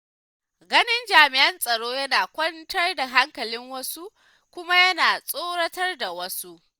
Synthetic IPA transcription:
ɡɐ˦nɪ˦nd͡ʒaː˨mɪ˨ʔɐ˦nsʼɐ˨ɽoː˦jɐ˦naː˨kʷɔ˦ntɐ˦rda˨ɦa˦ŋkɐ˨lɪ˦ŋwɐ˦su˦ | kʷʊ˦ma˦jɐ˦naː˨sʼoː˦ɽɐ˦tɐ˦rda˨wɐ˦su˦ʔ

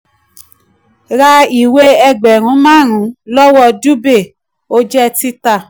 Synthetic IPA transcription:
ɾa˧i˨we˦ɛ˧ɡ͡bɛ˨ɾ̃ũ˨˦mãː˦˨ɾ̃ũ˨˦lɔ˦wɔ˧˨du˦be˦˨ | o˦d͡ʒɛ˦ti˦ta˦˨

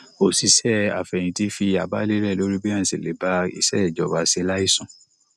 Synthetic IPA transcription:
o˨si˨˦sɛ˦a̰˨fɛ˨j̃ĩ˧˦ti˦fi˧a˨ba˦le˦lɛ˦˨lo˨˦ɾi˦bi˦ã˦˨si˨le˨˦ba˧ḭ˨sɛ̰˦ɛ˦˨d͡ʒɔ˨ba˧si˧˦la˦i˦sũ˦˨

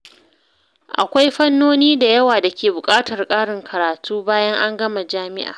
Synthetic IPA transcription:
ʔa̰˨kʷa˦jɸɐ˦nːoː˦niː˦da˨jɐ˦waː˨da˨kʲeː˨bʊ˨kʼaː˦tɐ˨rkʼaː˦ɽɪ˨ŋkʰɐ˨ɾaː˨tʰuː˦baː˦jɐ˦ŋʔa˦ŋɡɐ˦ma˨d͡ʒaː˦mɪ̰˦ʔa̰ː˨

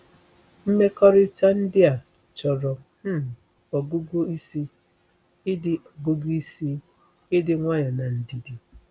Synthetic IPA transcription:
m̩˦me˦kɔ˦ɾɪ˦ta˦n̩˦dɪ˦a˨ | t͡ʃɔ˨ɾɔ˨ | m̩˦˨ | ɔ˨ɡu˦ɡʷo˦i˦si˦ | ɪ˦dɪ˦ɔ˨bo˦ɡi˦i˦si˦ | ɪ˦dɪ˦ŋʷa˦ɲa˨na˨n̩˨di˨di˨

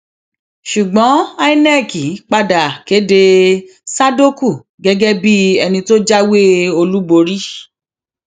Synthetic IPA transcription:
ʃu˨ɡ͡bɔ̃˨˦a˦i˦nɛ˦˨ki˨k͡pa˧da˨ke˨˦de˧ | sa˦do˦ku˦˨ | ɡɛ˦ɡɛ˦bi˦ɛ˧nĩ˧to˦d͡ʒa˦we˦o˧lu˦bo˧ɾi˦

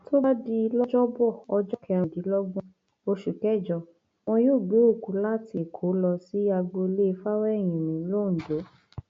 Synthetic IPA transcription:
tʰo˦ba˦di˦˧˦lɔ˦d͡ʒɔ˦bɔ˦˨ɔ˧d͡ʒɔ˦kɛ̃˧˨˧di˨˦lɔ˦ɡũ˦ | o˧ʃu˨kɛ˦˨d͡ʒɔ˧ | w̃ɔ̃˧joː˦˨ɡ͡be˨˦o˦˨ku˨˦la˦ti˧˨kʰo˨˦lɔ˧si˦a˧ɡ͡bo˧le˦˧fa˦wɛ˦˨j̃ĩ˨nĩ˨˦lo˦˨n̩˨do˨˦

